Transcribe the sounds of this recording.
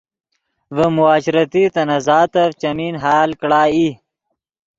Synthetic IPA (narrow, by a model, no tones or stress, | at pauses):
vəmuaːɕɾɐt̪it̪ɐnɐzaːt̪ɐft͡ʃɐminɦaːlkɽaːi